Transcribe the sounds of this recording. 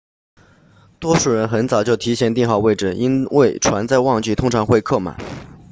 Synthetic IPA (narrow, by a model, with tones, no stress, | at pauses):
t̪wɔ˥ʂu˨˩ɻə˧˥nxə˧˥nt͡sɑ˨˩ʊt͡ɕjo˥˩ʊt̪ʰi˧˥ɕjɛ˥˩nt̪i˥˧ŋxɑ˥˩ʊwe˥ɪʈ͡ʂɻ̩˥˩i˥nwe˥˩ɪʈ͡ʂʰwa˧˥nt͡sa˥˧ɪwɑ˥˧ŋt͡ɕi˥˩t̪ʰʊ˥ŋʈ͡ʂʰɑ˧˥ŋxwe˥˧ɪkʰɤ˥˩ma̰˨˩˦n